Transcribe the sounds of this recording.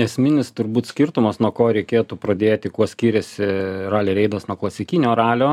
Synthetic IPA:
ɛsʲmʲɪnʲɪst̪ʊɾbuːt̪sʲkʲɪrt̪ʊmɐsnuɔkoːɾʲɛɪkʲeːt̪uːpɾɐd̪ʲeːt̪ʲɪkuɔsʲkʲiːɾʲɛsʲɪrɑːlʲeːɾʲɛɪd̪ɐsnuɔklˠɐsʲɪkʲinʲoːɾɑːlʲoː

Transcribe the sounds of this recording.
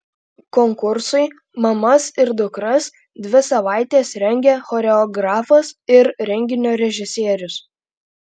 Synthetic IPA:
kɔŋkʊɾsʊɪ | mɐmɐsɪɾd̪ʊkɾɐs | d̪ʲʋʲɪsɐʋɑˑɪt̪ʲeːsɾʲɛŋʲɡʲɛxɔːɾʲɛɔɡɾɑːfɐsɪɾɾʲɛŋʲɡʲɪnʲoːɾʲɛʒʲɪsʲeːɾʲʊs

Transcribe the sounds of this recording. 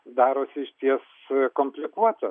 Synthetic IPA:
d̪ɑːɾoːsʲɪʃʲt̪ʲiɛs | koːmʲpʲlʲɪkuɔt̪ɐ

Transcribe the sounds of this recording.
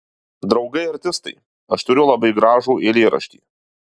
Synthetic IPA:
d̪ɾɒʊɡɐɪɐɾʲt̪ʲɪst̪ɐɪ | ɐʃt̪ʊɾʲʊlˠɐbɐɪɡɾɑːʒuːʔelʲeːɾʔɐ̰ʃʲt̪ʲḭː

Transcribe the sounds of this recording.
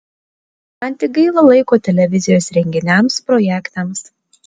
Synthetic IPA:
ɐnʲt̪ʲɪɡɐɪlˠɐlˠɐɪkoːt̪ʲɛlʲɛʋʲɪzʲɪjoːsɾʲɛŋʲɡʲɪnʲɛmspɾɔjækt̪ɐms

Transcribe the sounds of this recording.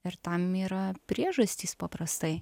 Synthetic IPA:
ɪɾt̪ɐmiːɾɐpʲɾʲiɛʒɐsʲt̪ʲiːspɐpɾɐst̪ɐɪ

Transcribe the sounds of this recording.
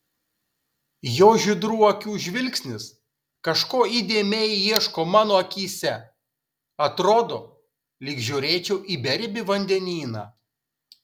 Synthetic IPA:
joːʒʲɪd̪ɾuːɐkʲuːʒʲʋʲɪlʲksʲnʲɪs | kɐʃkoːiːd̪ʲeːmʲɛɪjiɛʃkoːmɑːnoːɐkʲiːsʲɛ | ɐt̪ɾoːd̪o̰ː | lʲɪkʒʲuːɾʲeːt͡ʃʲɛʊʔiːbʲɛɾʲbʲɪʋɐnʲd̪ʲɛnʲiːnɑ̰ː

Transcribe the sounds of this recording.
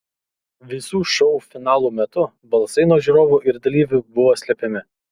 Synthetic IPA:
ʋʲɪsuːʃɔʊfʲɪnɑːlˠuːmʲɛt̪ʊ | bɐlˠsɐɪnoːʒʲiɾoːʋuːʔɪɾd̪ɐlʲiːʋʲʊbʊʋoːsʲlʲɛpʲɛmʲɪ

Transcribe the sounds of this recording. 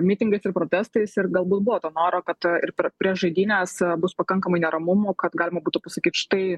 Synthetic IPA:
mʲit̪ʲɪŋɡɐɪsɪrpɾoːt̪ʲæːst̪ɐɪsɪɾɡɐlˠbuːt̪̚bʊʋoːt̪oːnoːɾoːkɐt̪ɪɾpʲɛpʲɾʲiɛsʒɐɪd̪ʲiːnʲeːsbʊspɐkɐŋkɐmɐɪnʲɛɾɐmʊmoːkɐt̪ɡɑːlʲɪmɐbuːt̪ʊpɐsɐkʲiːt̪ʃɪ̥t̪ɐɪ

